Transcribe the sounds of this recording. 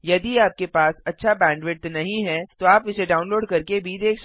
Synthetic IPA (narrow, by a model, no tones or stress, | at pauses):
jɐd̪iaːp̚kepaːsɐtːʃʰabɛ̃ːɳɖʋɪʈ̪nɐɦĩɦɛt̪oaːpɪseɖaːʊ̃nloːɖkɐɾkebʱid̪eːkʰʃ